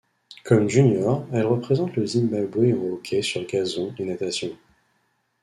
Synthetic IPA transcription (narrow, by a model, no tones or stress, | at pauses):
kɔmʒynjɔʁɛlʁəpχezɑ̃t̪ləzimbabwẽokʲʰɛsyʁɡazɔ̃enat̪asjɔ̃